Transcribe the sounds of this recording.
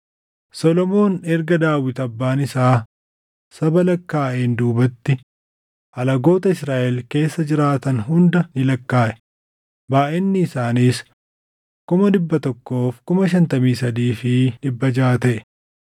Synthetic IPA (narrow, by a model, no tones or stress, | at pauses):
sɔlɔmo̞ːnɛɾɡɐd̪aːwɪt̪ɐbːaːnɪsaː | sɐbɐlɐkːaːʔeːnd̪uːbɐt̪ːɪ | ɐlɐɡo̞ːt̪ɐɪsɾaːʔɛlke̞ːsːɐd͡ʒɪɾaːt̪ɐnɦʊnd̪ɐnɪlɐkːaːʔɛ̥ | baːʔɛnːɪːsaːniːs | kʊmɐd̪ɪbːɐt̪ɔkːo̞ːfkʊmɐʃ̬ɐnt̪ɐmiːsɐd̪iːfɪd̪ɪbːɐd͡ʒaːt̪ɛʔ